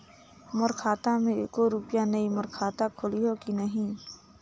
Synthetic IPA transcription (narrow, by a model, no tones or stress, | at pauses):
mʊɾkʰaːt̪amẽkoɾupjanəimʊɾkʰaːt̪akʰʊliɦokinəɦĩː